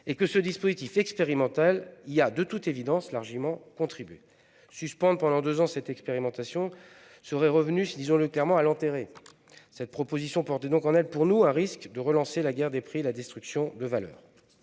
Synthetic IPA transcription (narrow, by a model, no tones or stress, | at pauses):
ekəsəd̪ispozit̪ifɛkspeʁimɑ̃t̪aliad̪ət̪ut̪evid̪ɑ̃slaʁʒimɑ̃kɔ̃t̪χibɥe | syspɑ̃d̪pɑ̃d̪ɑ̃d̪øzɑ̃sɛt̪ɛkspeʁimɑ̃t̪asjɔ̃ | səʁɛʁəvnysd̪izɔ̃ləklɛʁmɑ̃alɑ̃t̪eʁe | sɛt̪̚pχɔpozisjɔ̃pɔʁt̪ɛd̪ɔ̃kɑ̃nɛlpuʁnuɛ̃ʁiskd̪əʁəlɑ̃selaɡʲɛʁd̪epχielad̪ɛst̪χyksjɔ̃d̪əvalœ̰ːʁ